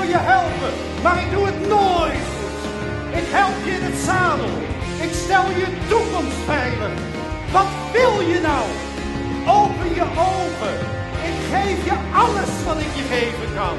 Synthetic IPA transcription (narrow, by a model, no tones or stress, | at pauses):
jəɦɛlˠpə | maːɹɪk̚duətnojtχut | ɪkɦɛlˠpjəɪnətsaːlɔ | ɪkstɛlˠjətukɔmstbɛjvən | ʋɑtʋɪlˠjənʌw | owpənjəʔowvə | ɪkχejfjəɑləsʋɑtɪkjəχejvənkɑn